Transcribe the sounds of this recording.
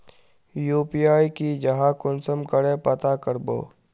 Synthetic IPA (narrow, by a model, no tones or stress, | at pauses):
juːpijaːikid͡ʒɐɦakʊnsəmkəɾepət̪akəɾbo̰ː